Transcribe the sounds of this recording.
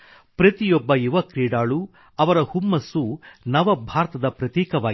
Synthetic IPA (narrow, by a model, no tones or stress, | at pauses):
pɾɐt̪ijɔbːɐjiʋɐkɾiːɽaːɭu | ɐʋɐɾɐhumːɐsunɐʋɐbʱaːɾɐt̪ɐd̪ɐpɾɐt̪iːkɐʋaː